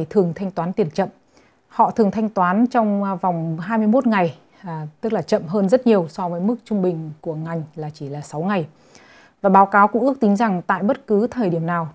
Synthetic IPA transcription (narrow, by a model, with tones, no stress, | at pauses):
jt̪ʰɨ˨˩əŋt̪ʰa˧jŋ̟t̪waː˨˦nt̪i˨˩ənt͡ɕə̰˧˨m | hɔ̰˧˨t̪ʰɨ˨˩əŋt̪ʰa˧jŋt̪waː˨˦nt͡ɕɔ˧wŋ͡mva˨˩wŋ͡mɦaː˧jmɨ˧əjmo˦˥t̚ŋa˨˩j | t̪ɨ˦˥k̚laː˨˩t͡ɕə̰˧˨mɦəː˧nzə˦˥t̚ɲi˨˩əwsɔ˧vəː˨˦jmɨ˦˥k̚t͡ɕʊ˧ŋ͡mɓï˨˩ŋ̟ku˧˩əŋa˨˩jŋ̟laː˨˩t͡ɕi˧˩laː˨˩sa˨˦wŋa˨˩j | vaː˨˩ɓaː˨˦wkaː˨˦wkʊ̰˧˥ʔək̚t̪ï˨˦ŋ̟za˨˩ŋt̪a̰ː˧˨jɓə˦˥t̚kɨ˨˦t̪ʰəː˨˩jɗi˧˩əmnaː˨˩w